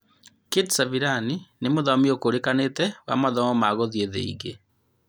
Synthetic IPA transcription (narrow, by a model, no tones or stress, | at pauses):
kedsaviɾaninemoðamiokoɾekanetɛwa̰maðɔmɔmaɣoðieðḛḭɣe